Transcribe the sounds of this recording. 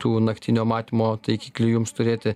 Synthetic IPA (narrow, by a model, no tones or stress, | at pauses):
t̪uːnɐkt̪ʲinʲoːmɑːt̪ʲiːmoːt̪ɐɪkʲiːklʲuːjʊmst̪ʊɾʲeːt̪ʲɪ